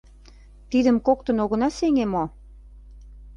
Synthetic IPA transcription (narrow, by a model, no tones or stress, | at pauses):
t̪id̪ə̆mkokt̪ə̆noɣə̆nɑseŋemo